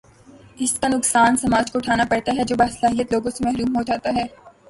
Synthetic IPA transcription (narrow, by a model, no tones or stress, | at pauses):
ɪskanʊksaːnsɐmaːd͡ʒkoʊʈʰaːnapɐɽt̪aɦɛd͡ʒoːbaːsəlaːɦijət̪loːɡõsemɛɦɾuːmɦoːd͡ʒaːt̪aɦɛː